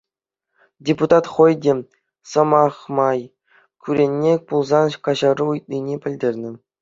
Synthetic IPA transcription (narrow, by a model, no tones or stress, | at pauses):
dʲeput̪ɑt̪χŏjdʲe | sɤ̆mɑχmɑj | kʲyɾʲenʲːepulˠzɑnkɑʑɑruujt̪̚nʲinʲepʲɘ̆lʲdʲerʲnʲɘ̆